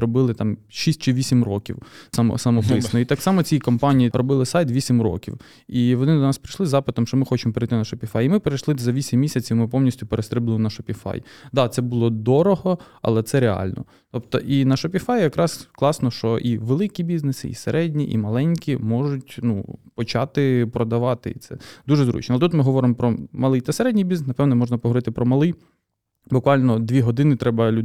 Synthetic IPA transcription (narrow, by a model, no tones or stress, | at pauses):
ɾɔbɪlˠɪt̪ɑmʃisʲt̚ʲt͡ʃɪʋʲisʲimrɔkʲḭwsɐmɔ̰sɐmɔpɪsnɔit̪ɑksɑmɔt͡sʲijikɔmpɑnʲijiɾɔbɪlˠɪsɑjt̪ʋʲisʲimɾɔ̰kʲḭw | iʋɔnɪd̪ɔnɑspɾɪʃlˠɪzɑpɪt̪ɔmʃt͡ʃɔmɪxɔt͡ʃɪmɔpeɾɪjt̪ɪnɐʃɔpʲifɑjimɪpeɾɐjʃlˠɪzɐʋʲisʲimːʲisʲɐt͡sʲiwmɪpɔmnʲisʲtʲʊpeɾest̪ɾɪblɪmnɐʃɔpʲifɑ̰jd̪ɑt̪sɛbʊlˠɔd̪ɔɾɔɦɔ | ɐ̰lˠɛt̪sɛɾeɑ̰lʲnɔ̰ | t̪ɔpt̪ɔ̰ʔinɐʃɔpʲifɑjjɐkɾʔɑsklˠɑsnɔʃt͡ʃɔʔiʋelˠɪkʲibʲiznesɪ̰ḭseɾʔɛdʲnʲiʔḭmɐlˠɛnʲkʲimɔʒʊtʲnṵpɔt͡ʃɑt̪ɪpɾɔd̪ɐʋɑt̪ɪ̰ḭt̪sɛ̰d̪uʒɛzɾṵt͡ʃnɛɐlʲˠt̪ut̪mɪɦɔʋɔɾɪmɔpɾɔmɐlˠɪjt̪ɐseɾɛdʲnʲijbʲizsnɐpɛwnɛmɔʒnɐpɔɦɔʋɔɾɪt̪ɪpɾɔmɐlˠɪj | bʊkʋɑlʲnɔd̪ʲʋʲiɦɔd̪ɪnɪt̪ɾɛbɐlʲu